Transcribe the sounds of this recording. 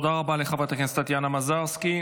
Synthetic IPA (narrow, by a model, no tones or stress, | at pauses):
od̪aʁabaleχavat̪eχenst̪at̪janamazaʁski